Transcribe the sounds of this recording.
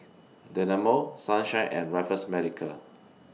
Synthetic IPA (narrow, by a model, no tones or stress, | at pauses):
dɛnamosãnʃãɪʔɛ̰̃nɹafəsmɛdikʰəl